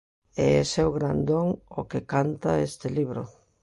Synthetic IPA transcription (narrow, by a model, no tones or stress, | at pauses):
eɛsewɣɾand̪oŋokekant̪aest̪ɪliβɾo̰